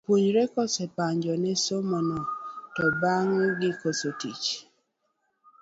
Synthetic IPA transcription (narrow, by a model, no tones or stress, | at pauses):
pwuɲɾɛkɔsɛpaɲd͡ʒɔnɛsomɔnɔtɔbaŋɡɪkosotit͡ʃ